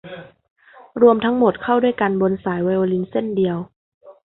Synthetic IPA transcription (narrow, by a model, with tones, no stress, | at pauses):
ɾu˧əmt̪ʰa˧˦˥ŋmo˨˩t̪̚kʰa˥˩wdu˥˩əjka˧nbo˧nsaː˨˩˦jwa˧jʔoː˧li˧˦nse˥˩ndi˧əw